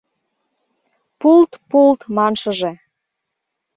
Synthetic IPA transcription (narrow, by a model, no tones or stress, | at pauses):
pult̪pult̪mɑnʃəʒe